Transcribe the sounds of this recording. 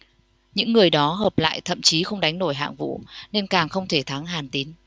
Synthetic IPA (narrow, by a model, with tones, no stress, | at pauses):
ɲɨ̰˧˥ŋːɨ˨˩əjɗɔ˨˦ɦəː˨˩p̚la̰ː˧˨jt̪ʰə̰˧˨mt͡ɕi˨˦xə˧wŋ͡mɗa˨˦jŋ̟no˧˩jɦa̰ː˧˨ŋvṵ˧˨ne˧nkaː˨˩ŋxə˧wŋ͡mt̪ʰe˧˩t̪ʰaː˨˦ŋɦaː˨˩nt̪i˨˦n